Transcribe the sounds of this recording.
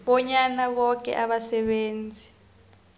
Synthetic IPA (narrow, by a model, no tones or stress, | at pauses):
ɓɔɲanaɓɔk̬ʼɛ̰ʔaɓasɛɓeːnd͡zʱi